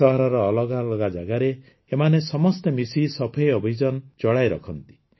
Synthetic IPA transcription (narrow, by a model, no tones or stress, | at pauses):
ɔɦɔɾɔɾɔːlɔɡalɔɡad͡ʒaɡaɾe | emanesɔmɔst̪emisisɔpʰejɔbʱid͡ʒɔnt͡ʃɔɽajɾɔ̰kʰɔnt̪i̥